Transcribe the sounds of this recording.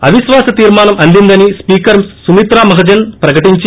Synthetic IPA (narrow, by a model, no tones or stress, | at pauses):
ɐ̰ʋiʃʋaːsɐt̪iːɾmaːnɐmɐnd̪ind̪ɐnispiːkɐɾsumit̪ɾaːmɐɦɐd͡ʒɐnpɾɐkɐʈiɲt͡ʃ